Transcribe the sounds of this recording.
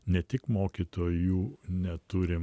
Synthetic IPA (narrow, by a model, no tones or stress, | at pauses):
nʲɛt̪ʲɪkmoːkʲit̪oːjuːnʲɛt̪ʊɾʲɪm